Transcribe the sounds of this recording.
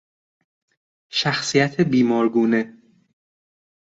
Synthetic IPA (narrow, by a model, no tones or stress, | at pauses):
ʃæxsijæt̪ʰebiːmɒːɾɡuːne̞